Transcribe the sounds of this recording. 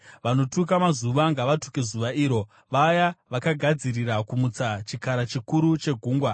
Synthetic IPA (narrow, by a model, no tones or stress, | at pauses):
ʋano̞tuk̬amazuʋaŋɡaʋatu̥kezuʋaʔiːɾo̞ | ʋajaʋakaɡʱad͡ziriɾakumut͡sat͡ʃikaɾat͡ʃikuɾut͡ʃe̞ɡʱuːŋɡwa